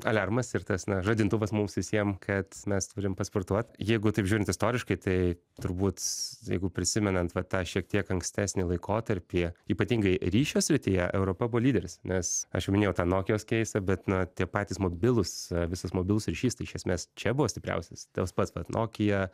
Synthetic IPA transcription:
ɐlʲɐrmɐsɪɾt̪ɐsnɐʒɐd̪ʲɪnt̪ʊʋɐsmʊmsʋʲɪsʲiɛmkʰɐt̪mʲɛst̪ʊɾʲɪmpɐsport̪uɔt̪jɛɪɡʊt̪ɐɪpʒʲuːɾʲɪnt̪ɪst̪oːɾʲɪʃkɐɪt̪ɐɪ | t̪ʊɾbuːt̪jɛ̰ɪɡʊpʲɾʲɪsʲɪmʲɛnɐnt̪ʋɐt̪ɑːʃʲiɛk̚t̪ʲiɛkɐŋksʲt̪ʲæːsʲnʲɪlˠɐɪkʰoːt̪ɐɾʲpʲiiːpɐt̪ʲiːŋɡɐɪɾʲiːʃʲoːsʲɾʲɪt̪ʲɪjɛʔɛʊɾoːpɐbʊʋɔlʲiːd̪ʲɛɾʲɪsnʲɛsɐ̰ʃjɛʊmʲɪnʲejʊt̪ɑːnoːkʲɪjoːskʲɛɪsɐbʲɛt̪nʊt̪ʲiɛpɑːt̪ʲiːsmoːbʲɪlˠʊsʋʲɪsɐsmoːbʲɪlˠʊsɾʲiʃʲiːst̪ɐɪʃʲɛsʲmʲeːst͡ʃʲɛbʊʋoːsʲt̪ʲɪpɾʲɛ̰ʊsʲɛst̪ɐspɐt̪sʋɐtnʔo̰ːkʲɪjɛ

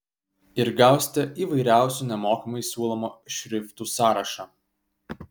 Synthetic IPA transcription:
ɪɾɡɑˑʊsʲt̪ʲɛʔiːʋɐɪɾʲæˑʊsʲuːˑnʲɛmoːkʲimɐɪsʲuːlˠɔmoːʃʲɾʲɪft̪uːsɑːɾɐʃɑː

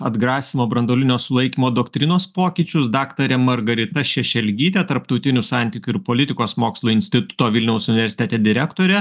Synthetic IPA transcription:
ɐd̪ɡɾɑːsʲɪmoːbɾɐnd̪oːlʲɪnʲoːsʊlˠɐɪkʲiːmoːd̪oːkt̪ʲɾʲɪnoːspoːkʲɪt͡ʃʲʊsd̪ɑːkt̪ɐɾʲɛmɐɾɡɐɾʲɪt̪ɐʃʲɛʃʲɛlʲɡʲiːt̪ʲɛt̪ɐɾpt̪ɒʊt̪ʲɪnʲʊsɑˑnʲt̪ʲɪːkʲʊɪɾpoːlʲɪt̪ʲɪkoːsmoːkslˠʊɪnʲsʲt̪ʲɪt̪ʊ̥t̪oːʋʲɪlʲnʲɛʊsʊnʲɪʋʲɛɾʲsʲɪt̪ʲɛt̪ʲɛd̪ʲɪɾʲækt̪oːɾʲɛ

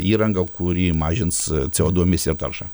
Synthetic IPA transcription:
iːɾɐŋɡɐkʊɾʲiːmɑːʒʲɪnst͡sʲɛoːd̪uɔmʲɪsɪrt̪ɐrʃɑ

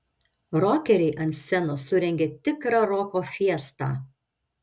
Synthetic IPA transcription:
ɾoːkʲɛɾʲɛɪʔɐnt̪sʲɛnosʊɾʲɛŋʲɡʲet̪ʲɪkɾɑːɾoːkoːfʲiɛst̪ɑ̰ː

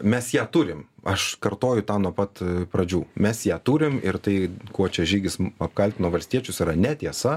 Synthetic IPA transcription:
mʲɛsjæːt̪uːɾʲɪmɐʃkɐrt̪oːjʊt̪ɑːnuɔpɐt̪pɾɐd͡ʒʲuːmʲɛsjæːt̪uːɾʲɪmɪɾt̪ɐɪkuɔt͡ʃʲɛʒʲiːɡʲɪsɐpkɐlʲt̪ʲɪnoːʋɐlʲsʲtʲiɛt͡ʃʲʊsiːɾɐnʲɛt̪ʲiɛsɐ

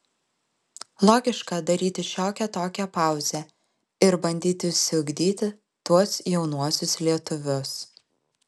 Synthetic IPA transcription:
lˠoːɡʲɪʃkɐd̪ɐɾʲiːt̪ʲɪʃʲoːkʲɛt̪oːkʲæpɑˑʊzʲæ | ɪɾbɐnʲd̪ʲiːt̪ʲɪʊʃʲsʲɪʊɡʲd̪ʲiːt̪ʲɪ | t̪uɔsjɛʊnuɔsʲʊslʲiɛt̪ʊʋʲʊs

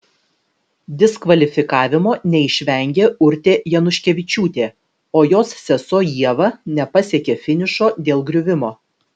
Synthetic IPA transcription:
d̪ʲɪskʋɐlʲɪfʲɪkɑːʋʲɪmoːnʲɛɪʃʲʋʲɛˑŋʲɡʲeːʊɾʲt̪ʲeːjɛnʊʃʲkʲɛʋʲɪt͡ʃʲuːt̪ʲeː | oːjoːssʲɛsoːjiɛʋɐnʲɛpɐsʲeɛkʲeːfʲɪnʲɪʃoːd̪ʲeːlˠɡɾʲʊʋʲɪmoː

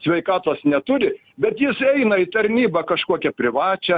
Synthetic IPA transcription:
sʲʋʲɛɪkɑːt̪oːsnʲɛt̪ʊɾʲɪ | bʲɛt̪jɪsɛɪnɐɪt̪ɐɾʲnʲiːbɐkɐʃkuɔkʲɛpʲɾʲɪʋɑːt͡ʃʲɛ

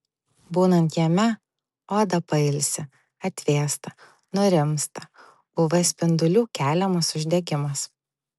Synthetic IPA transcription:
buːnɐnt̪jɛmʲɛ | oːd̪ɐpɐɪlʲsʲɪ | ɐt̪ʲʋʲeːst̪ɐ | nʊɾʲɪmst̪ɐ | bʊʋɐsʲpʲɪnd̪ʊlʲuːkʲæːlʲɛmɐsʊʒʲd̪ʲɛɡʲɪmɐs

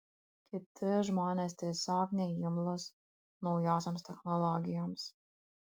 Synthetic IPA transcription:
kʰit̪ʰɨʒmaːnʲɛst̪ɛsaːknʲɛjimlˠɔs | nujaːsamst̪ɛxnɔlˠɔːɡʲijams

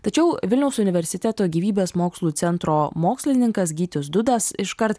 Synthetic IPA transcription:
t̪ɐt͡ʃʲɛʊʋʲɪlʲnʲɛʊsʊnʲɪʋʲɛɾʲsʲɪt̪ʲæt̪oːɡʲiːʋʲiːbʲeːsmoːkslˠuːt̪sʲɛnt̪ɾoːmoːksʲlʲɪnʲɪŋkɐsɡʲiːt̪ʲɪsd̪ʊd̪ɐsɪʃkɐɾt̪

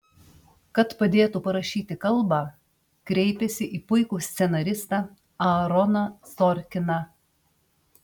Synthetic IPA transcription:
kɐt̪pɐd̪ʲeːt̪uːpɐɾɐʃʲiːt̪ʲɪkɐlˠbɑ | kɾʲɛɪpʲɛsʲɪʔiːpʊɪkuːsʲt̪sʲɛnɐɾʲɪst̪ɑ | ɐɾɔnɐsɔɾʲkʲɪnɑ

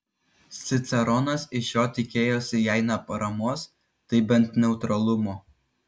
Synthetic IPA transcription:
sʲɪt̪sʲɛɾɔnɐsɪʃjoːt̪ʲɪkʲeːjoːsʲɪjæˑɪnɐpɐɾɐmoːs | t̪ɐɪbʲɛnt̪nʲɛʊt̪ɾɐlˠʊmoː

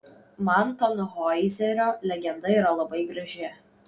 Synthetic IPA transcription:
mɐnt̪ɔnʊɦɔɪzʲɛɾʲoːlʲɛɡʲɛnd̪ɐiːɾɐlˠɐbɐɪɡɾɐʒʲɪ

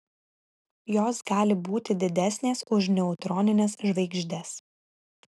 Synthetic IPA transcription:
joːsɡɑːlʲɪbuːt̪ʲɪd̪ʲɪd̪ʲæsʲnʲeːsʊʃnʲɛʊt̪ɾɔːnʲɪnʲɛsʒʋɐɪɡʒʲd̪ʲɛs

